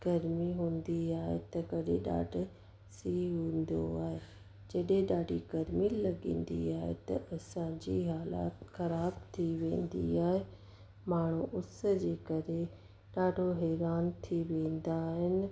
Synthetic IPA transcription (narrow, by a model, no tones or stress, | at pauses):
ɡ̥ɐɾmiɦũːnd̪iaːɦet̪ɐkɐɗẽɗa̰ːɖʱʊ̆ | siːɦũːnd̪o̰aːɦe | d͡ʑɐɗẽɗaːɖʱiɡɐɾmilɐɠĩːnd̪ḭaːɦḛt̪ɐ̰ʔɐsãd͡ʑiːɦaːla̰ːt̪xɐɾaːbt̪ʰiʋẽːnd̪ḭaːɦe | maːɳ̤̃uʔʊs̆d͡ʑeːkɐɾe | ɗaːɖʱoɦɛːɾaːnt̪ʰiʋẽːnd̪aɦɪnɪ̆